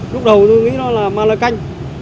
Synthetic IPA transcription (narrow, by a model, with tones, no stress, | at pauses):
lʊ˦˥k͡p̚ɗə˨˩wt̪o˧ŋḭ˧˥ɗɔ˨˦laː˨˩maː˧lə˧˩ka˧jŋ̟